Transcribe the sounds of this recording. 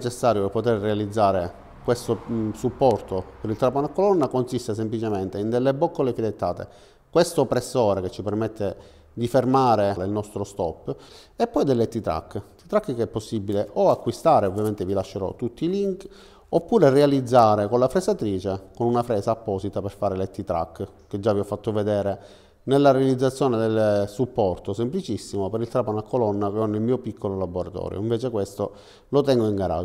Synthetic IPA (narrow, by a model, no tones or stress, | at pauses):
t͡ʃesːaːɾjoepot̪errealid̪zːaːɾe | kwest̪osupːɔrt̪opeɾilt̪ɾapːonakːolɔnːakonsist̪es̬emplit͡ʃement̪eind̪elːebɔkːolefilet̪ːaːt̪ḛ | kwest̪opɾesːɔːɾeket͡ʃːipermɛt̪ʰːe | d̪ifermaːɾeleilnɔst̪ɾost̪ɔ̰pː | epːɔjd̪elːet̪it̪ɾa̰kːt̪ːit̪ɾakːkeɛpːosːibːileʔoakːwist̪aːɾeovːjament̪evilaʃːeɾɔ̰t̪ːut̪ːiːliŋk | opːuːɾerealid̪zːaːɾekonlafɾesat̪ɾiːt͡ʃekonunafɾɛːsaːpːɔːsit̪aperfaːɾelet̪ːit̪ɾa̰kː | ked͡ʒːaviɔfːat̪ːoved̪ɛːɾe | nelːaɾealid̪zːat̪sːjoːned̪elsupːɔrt̪osemplit͡ʃisːimopeɾilt̪ɾapanakolɔnːakeɔnːelmiːopikʰːololabːoɾat̪ɔ̰ːɾjo̰iɱveːt͡ʃekwest̪o | lot̪ɛŋɡoiŋɡaɾa̰d͡ʒ